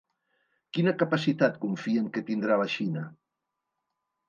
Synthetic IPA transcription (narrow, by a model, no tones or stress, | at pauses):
kinəkapasit̪at̪̚kuɱfieŋket̪ind̪ɾalaʃinə